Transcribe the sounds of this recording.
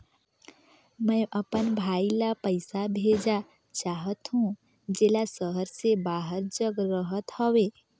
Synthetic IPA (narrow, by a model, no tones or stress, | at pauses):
mɛ̃ʔəpənbʱaːilapəɪsabʱeːd͡ʒa | t͡ʃaːɦət̪ɦũ | d͡ʒeːlasəɦəɾsebaːɦəɾd͡ʒəɡɾəɦət̪hɔwe